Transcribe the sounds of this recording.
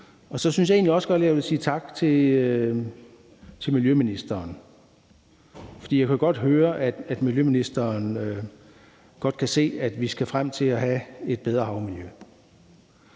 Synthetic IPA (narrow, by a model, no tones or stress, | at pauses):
ɒ̽sɒ̽synsjɑ̈e̝ːnliɒ̽sə̥ɡ̥ɒ̽d̥leæʋe̝siːt͡sʰɑ̈ɡ̥t͡sʰe̝ | t͡sʰe̝lmiljøminisd̥ɐːn | fɒ̽d̥ḭjɑ̈ɪkʰæɡ̥ɒ̽d̥ɦøːɐʔæd̥æd̥miljøminisd̥ɐːnø | ɡ̥ɒ̽d̥̚kʰæse̝̰ːæd̥ʋisɡ̥æfʁam̰t͡sʰe̝æɦæe̝d̥̚b̥eð̞ˠʁɐhɑ̈ʊmiljø